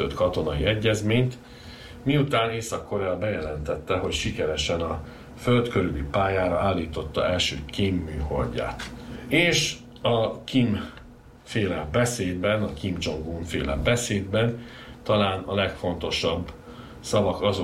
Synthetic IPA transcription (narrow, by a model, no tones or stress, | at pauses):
øt̪kɒt̪o̞nɒiɛɟːɛzmeːɲt̪ | miut̪aːneːsɒkːo̞ɾɛɒbɛjɛlɛnt̪ɛt̪ːɛɦo̞cʃikɛɾɛʃɛnɒ | fø̞lt̪køɾylipaːjaːɾɒaːlːiːt̪o̞t̪ːɒ̰ɛlʃøːkimːyːho̞̰lɟa̰ːt̪eːʃ | ɒkim | feːlɛmbɛseːd̪bɛnɒkimd͡ʒo̞ŋɡuɱfḛːlɛ̰mbɛseːd̪bɛn | t̪ɒlaːnɒlɛkfo̞n̪t̪o̞ʃɒbː | sɒvɒkɒzo